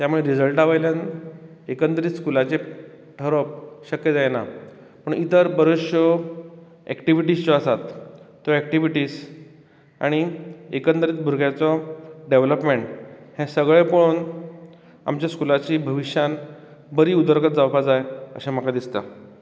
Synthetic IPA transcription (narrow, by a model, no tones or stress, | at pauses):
t̪jamuɭeɾid͡zəlʈaʋajljan | ekəntd̪ɾit̪skulat͡ɕe | ʈʰəɾɔp̚ɕəkjəd͡zajena | pəɳit̪əɾbəɾəɕɔ | ɛkʈiʋiʈist͡ɕɔəsat̪ː | ɔɛkʈiʋiʈiːs | a̰ɽ̃iekənd̪əɾiːt̪̚bʱuɾɡjat͡sɔɖeʋləpmeɳʈhɛ̃səɡɭepoɭon | a̰mt͡ɕjaskulat͡ɕiːbʱəʋiɕjan | bəɾiːud̪əɾkət̪̚d͡zawpad͡zajə̰ɕãm̤əkad̪ist̪ə̰